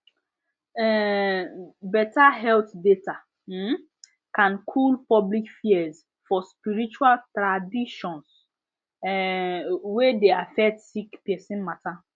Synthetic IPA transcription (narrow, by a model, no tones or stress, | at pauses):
ɛ | bɛtaɦɛlt̪deta | m̩ | kãnkʰulpɔblikfiɛz | fɔspiɾit͡ʃualtɾadiʃɔ̃ns | wedeafɛktsikpɛsĩnmata